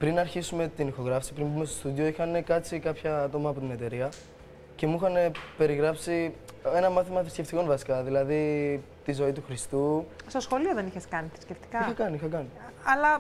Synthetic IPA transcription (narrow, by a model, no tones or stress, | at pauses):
pɾinɐɾçisume̞t̪inixo̞ɣɾɐfsi̥pɾimbumest̪ost̪uðio̞ixɐnekɐt͡sikɐpçɐɐt̪o̞mɐːpo̞t̪inet̪e̞ɾiɐ | ce̞muxɐnepe̞ɾiɣɾɐpsi | e̞nɐmɐθimɐθɾisce̞ft̪iko̞nvɐsi̥kɐðilɐði | t̪izo̞it̪uxɾist̪ust̪o̞sxo̞lio̞ðe̞niçeskɐniθɾi̥skceft̪i̥kɐixɐkɐniixɐkɐniɐlɐ